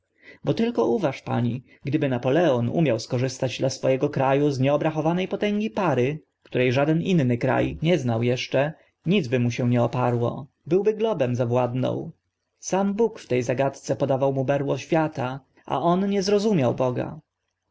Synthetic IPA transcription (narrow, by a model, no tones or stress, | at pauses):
bɔt̪ɘlkɔʔuvaʂpa̰ɲi | ɡd̪ɘbɘnapɔlɛɔnṵmʲjawskɔʐɘst̪ad͡ʑd̪lasfɔjɛɡɔkɾajuzɲɛɔbɾaxɔvanɛjpɔt̪ɛŋɡʲipaɾɘ | kt̪uɾɛjʐad̪ɛninːɘkɾa̰jɲɛznawjɛʂt͡ʂɛ | ɲid̪zbɘmuɕɛ̃ɲɛɔpaɾwɔ̰ | bɘwbɘɡlɔbɛmzavwad̪nɔ̰̃w̃ | sambukft̪ɛjzaɡat̪t̪sɛpɔd̪avawmubɛɾwɔɕfʲjat̪a | ʔa̰ʔɔnɲɛzɾɔzumʲjawbɔɡa̰